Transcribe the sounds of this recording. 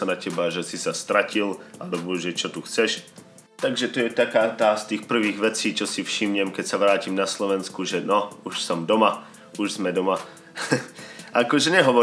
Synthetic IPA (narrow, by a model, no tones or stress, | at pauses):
sanacɛbaʒɛsisast̪ɾacilʔalɛbɔʒɛt͡ʃɔt̪uxt͡sɛʃ | t̪aɡʒɛt̪ɔjɛt̪akaːt̪aːst̪iːxpr̩ʋiːɣʋɛt͡siːt͡ʃɔsifʃimɲɛmkɛcsaʋɾaːciːmnaslɔʋɛnskuʒɛnɔuʃsɔmd̪ɔma | uʒzmɛd̪ɔma | ʔakɔʒɛɲɛɦɔʋɔ